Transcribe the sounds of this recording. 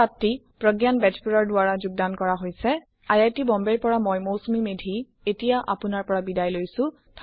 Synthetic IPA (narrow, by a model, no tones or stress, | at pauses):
atːi | pɹɔɡjanbɛd͡ʒpuɹɔɹdʊaɹazuɡ̚dankɔɹaɦojsɛ | ajajtibɔmbɛɹpɔɹamojmowsumimedʱi | etijaʔa̰pʊnaɹpɔɹabidajlojsʊ̃ | tʰ